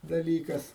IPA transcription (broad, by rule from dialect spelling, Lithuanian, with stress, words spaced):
dɐˈlʲiːkɐs